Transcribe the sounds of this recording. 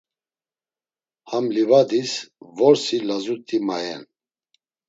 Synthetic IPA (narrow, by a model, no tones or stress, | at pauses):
hamlivad̪isvɔɾsilazut̪ʼimajɛ̰n